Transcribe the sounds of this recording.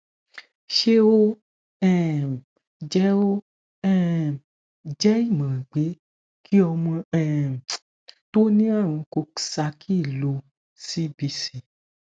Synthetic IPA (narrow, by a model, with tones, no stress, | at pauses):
ʃe˦o˦ | ɛ̃˦˨ | d͡ʒɛ˦o˦ | ɛ̃˦˨ | d͡ʒɛ˦i˦˨mã˨ɡ͡be˨˦ | kʰi˦ɔ˧mɔ̃˧ɛ˦˨ | to˦nĩ˦a˦˨w̃ɔ̃˧ko˧ksa˧˦kʰi˦˨lo˧ | si˦bi˧si˨